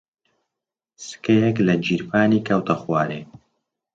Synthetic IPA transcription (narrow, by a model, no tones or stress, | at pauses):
sɨ̥kɐjɛklɐd͡ʒiːɾpʰaːnikʰɐwt̪ʰɐxwaːɾeː